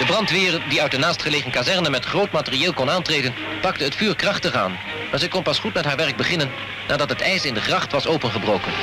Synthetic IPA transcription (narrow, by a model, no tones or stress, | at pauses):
d̥əbrɑntʋɪːrdiœɥtənaːstχəlejχənkazɛɹnəmɛtχrowtmaːtərieːlˠkɔnaːntreːjdən | pɑk̚təɦətfyːɹkrɑχtəχa̰ːn | maːɹzɛjkɔnpɑsχutmɛtɦaːɹʋɛrɡ̚bəχɪnənː | ʔaːdɑtɦətɛjsɪndəχrɑχtʋɑsowpənχəbrowkən